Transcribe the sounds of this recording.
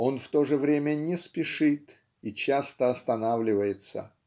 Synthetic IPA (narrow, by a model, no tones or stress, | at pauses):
o̞nft̪o̞ʐɨvɾʲemʲənʲɪspʲɪʂɨt̪ | it͡ɕast̪əɐst̪ɐnavlʲɪvəjɪt̪sə̰